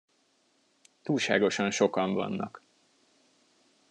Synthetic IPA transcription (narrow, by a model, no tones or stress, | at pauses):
t̪uːlʃa̰ːɡo̞ʃɒnʃo̞kɒɱvɒ̰nːɒ̰k